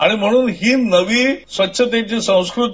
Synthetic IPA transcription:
aɽ̃im̤əɽ̃uːnɦiːnəʋiːsʋətːɕʰət̪jaɲt͡ɕesə̃w̃skɾut̪

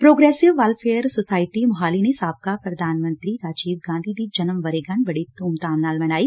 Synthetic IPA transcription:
pɾoːɡɾɛːsɪʋːɐlpʰeːjəɾsosaːɪʈimɐɦaːlinesaːb̚kapɾɐd̪ʱaːnmə̃nt̪ɾiɾaːd͡ʒiːʋɡãːnd̪ʱid̪id͡ʒɐnəmʋɐɾeɡãɳbɐɽit̪uːmt̪aːnnaːlmɐnaːiː

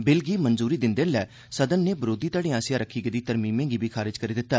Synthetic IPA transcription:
bɪlɡiːmənzuːɾiːd̪ɪnd̪enlɛː | səd̪ənːeːbəɾoːd̪iːt̪aːɽiːãːsɪjãːɾəkʰːiːɡed̪iːt̪əɾmiːmẽːɡiːbʱiːkʰaːɾɪd͡ʒkəɾiːd̪ɪt̪ːaː

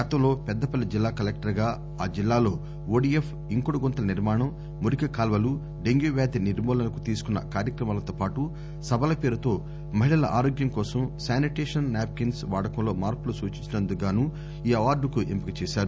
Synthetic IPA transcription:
ɡɐt̪ɐmlo̞ːpɛd̪ːɐpɐlid͡ʒilːaːkɐlek̚ʈɐɾɡaː | aːd͡ʒilːaːlo̞ː | oːɖief | iŋkoɽuɡɔnt̪ɐɐniɾmaːɳɐmː | uɾikɐkaːlʋɐlu | ɖeŋɡjuʋjaːd̪iniɾmɔːlɐnɐkut̪iːsu̥kunːɐ̰kaːɾjɐkɾɐmaːlɐt̪oːpaːʈu | sɐbɐlɐpe̞ːɾut̪o̞ː | mɐɦiɭɐlɐ̰ʔa̰ːɾoːɡjɐŋkɔːsɐmsaːniʈeːʂɐnnaːp̚kinsʋaːɽɐkɐmlo̞ːmaːɾpulusuːt͡ʃiɲt͡ʃinɐnd̪uɡaːnuː | iːɐʋaːɾɖukuʔḛmpikɐt͡ʃɛːʃaːɾu

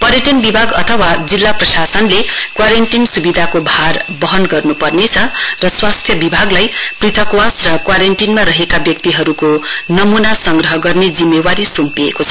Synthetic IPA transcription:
pʌɾjʌʈʌnbibʱaɡʌt̪ʰʌwad͡zilːaprʌsasʌnlekwaɾeɳʈinsubid̪ʱakobʱarbʌɦʌnɡʌrnupʌrnet͡sʰʌrʌswast̪ʰjʌbibʱaɡlajprit̪ʰʌkwasrʌkwaɾeɳʈinmaɾʌɦekabjʌkt̪iɦʌɾukonʌmunasʌŋɡrʌɦʌɡʌrned͡zimːewaɾisumpiḛkot͡sʰʌ

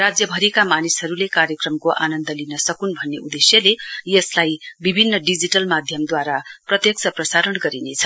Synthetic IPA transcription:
rad͡zjʌbʱʌɾikamanisɦʌɾulekaɾjʌkrʌmkoʔa̰nʌnd̪ʌlinʌsʌkunbʱʌnːeud̪esjʌlejʌslajbibʱinːʌɖid͡ziʈʌlmad̪ʱjʌmd̪waɾaprʌt̪jʌksʰʌprʌsaɾʌɳɡʌɾinet͡sʰʌ̥

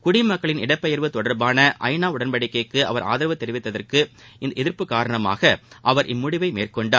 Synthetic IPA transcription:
kʊɽɪmɐkːɐɭɪnɪɽɐpːɐjɐɾʋɯt̪ɔɽɐɾbaːnɐʔɐ̰ɪnaːʊɽɐnpɐɽɪkːɐɪkːɯɐ̰ʋɐɾʔa̰ːðɪɾɐʋɐt̪ːɛɾɪʋɪt̪ːɐðɐrkɯ | ɪɛðɪɾpɯkːaːɾɐɳɐma̰ːɣɐʔɐʋɐɾʔɪmːʊɽɪʋɐɪmḛːrkɔɳɖaː

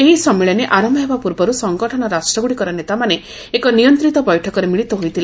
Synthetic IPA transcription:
eɦisɔmːiɭɔneʔaɾɔmɔɦebapuɾbɔɾusɔŋɡɔʈʰɔnɔɾasʈɾɔɡuɽikɔɾɔnet̪amane | ekɔnijɔnt̪ɾit̪ɔbɔjʈʰɔkɔɾemiɭit̪ɔɦojt̪ʰila

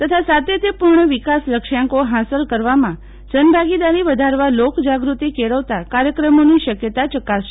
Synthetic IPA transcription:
t̪ət̪ʰasat̪et̪epuɾɳəʋikasləkʃãŋkoɦasəlkəɾʋamã | d͡ʒənbʱaɡid̪aɾiʋəd̪ʱaɾʋalokd͡ʒaɡɾut̪ikeɭəʋt̪akaɾjəkɾəmoniʃəkjət̪at͡ʃəkasʃe

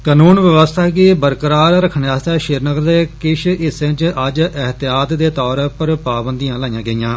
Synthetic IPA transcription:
kaːnuːnʋəʋəst̪ʰaːkiːbəɾkəɾaːɾɾəkʰənjaːst̪ɛːʃɪɾnəɡəɾd̪eːkɪʃɪsːẽːt͡ʃəd͡ʒɪɦt̪ɪjaːt̪d̪eːt̪ɔːɾpəɾpaːbənd̪ijãːlaːjãːɡəijãː

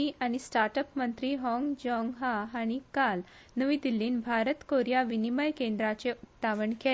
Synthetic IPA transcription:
iʔaɽ̃isʈaɾʈəpmənt̪ɾiːɦɔ̃ŋɡd͡ʑɔŋɡɦaɦaɽ̃ikal | nəʋid̪ilːiːnbʱaɾət̪koɾjaʋiniməjkend̪ɾat͡seut̪ːaʋəɳke

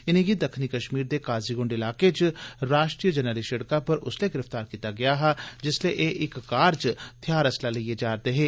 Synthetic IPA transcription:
ɪnẽɡid̪əkʰnikəʃmiːɾd̪eːkaːziɡʊ̃ɳɖɪlaːket͡ʃɾaːʃʈɾijəd͡ʒənəliʃɐɽkapəɾʊ̰sleɡɪɾəft̪aːɾkiːt̪aɡɐjaɦɛd͡ʒɪsleʔeʔɪkːaːɾd͡ʒt̪ʰjaːɾɐslaliied͡ʒaːɾt̪eɦeː

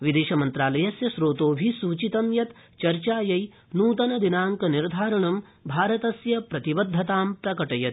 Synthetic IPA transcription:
ʋid̪eːʃɐmɐnt̪ɾaːlɐjɐsjɐʃɾoːt̪oːbʱisuːt͡ʃit̪ɐmjɐt̪ | t͡ʃɐɾt͡ʃaːjɐj | nuːt̪ɐnɐd̪inaːŋkɐniɾd̪ʱaːɾɐɳɐm | bʱaːɾɐt̪ɐsjɐpɾɐt̪ibɐd̪ʱːɐt̪aːmpɾɐkɐʈɐjɐt̪̚

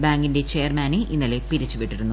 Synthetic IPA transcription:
baːŋɡinde̞t͡ɕe̞jɐrmaːneʔinːɐle̞piɾit͡ɕːuʋiʈːiɾunːu

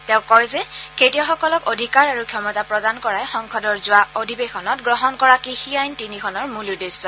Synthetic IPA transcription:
tɛʊ̃kɔjzɛketiɔxɔkɔlɔkodʱikaɹaɹukʰjɔmɔtapɹɔdankɔɹajxɔŋkʰɔdɔɹzʊwaodʱibexɔnɔtɡɹɔɦɔnkɔɹakixiajntinixʰɔnɔɹmuludesɔ

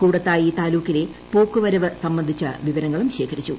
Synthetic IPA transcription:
kuːɽɐt̪ːaːjiːt̪aːluːkːile̞ | poːkːuʋɐɾɐʋɨsɐmbɐnd̪ʱit͡ɕːɐ̰ʋiʋɐɾɐŋːɐɭumɕe̞ːkʰɐɾit͡ɕːu

